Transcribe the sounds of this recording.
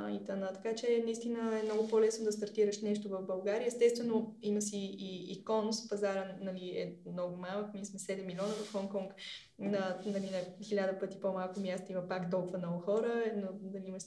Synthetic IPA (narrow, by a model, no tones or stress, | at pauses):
it̪anat̪ɐ̥kat͡ʃɛnɐist̪inəɛmnɔɡʊpolɛsnod̪ɐst̪ɐɾt̪iɾəʃnɛʃt̪ovɐvbɐlˠɡaɾiəɛst̪ɛst̪vɛnoiməsiːkɔnspɐzaɾənɐliɛ̰mnɔɡʊmalˠəkmiɛsmɛsɛd̪ɛmːilʲiɔnəvəfxɔŋkɔŋk | nənɐlinɐxilʲad̪əpɤt̪ipomalˠkʊmʲjast̪əimɐpakt̪ɔlˠkʊvənɔɡʊxɔɾənonɐliimɐʃ